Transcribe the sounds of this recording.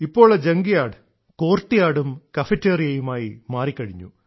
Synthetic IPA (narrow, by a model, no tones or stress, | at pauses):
ipːo̞ːɭed͡ʑeŋɡijaːɽɨ | ko̞ːrʈːijaːɽumkɐfɐtːeːrijɐjumaːjimaːrikʲːɐɻiɲːṵ